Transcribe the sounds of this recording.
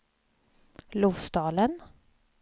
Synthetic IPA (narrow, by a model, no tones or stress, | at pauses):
lʊfst̪ɑːlən